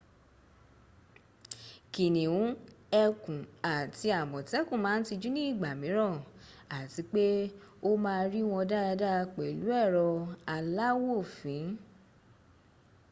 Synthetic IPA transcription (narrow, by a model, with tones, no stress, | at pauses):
ki˨nĩ˨wũ˨˦ɛ˧kũ˨a˨ti˧a˨mɔ̃˨tɛ˨˦kũ˦˨mãː˨˦n̩˦ti˧d͡ʒu˦nĩ˦˨ɡ͡ba˨mĩ˨˦ɾɔ̃˦˨a˨ti˨˦k͡pe˦ | o˦mãː˧ɾi˦w̃ɔ̃˧da˦a˧da˦˧k͡pɛ˨lu˨˦ɛ˦˨ɾɔ˧a˧la˦wo˦˨fĩ˨˦